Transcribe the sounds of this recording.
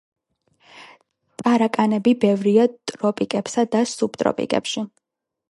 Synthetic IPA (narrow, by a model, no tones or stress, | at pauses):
t̪ʼaɾakʼanɛbibɛvɾiat̪ʼɾɔpʼikʼɛpsad̪asup̚t̪ʼɾɔ̰pʼḭkʼɛ̰pʃi